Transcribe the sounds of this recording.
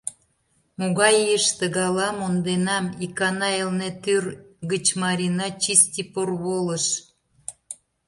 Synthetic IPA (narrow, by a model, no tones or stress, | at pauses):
moɣɑjəʃt̪əɣɑlɑmond̪enɑmikɑnɑelnet̪yrɣət͡ɕmɑɾʲinɑt͡ɕist̪ʲiporβoləʃ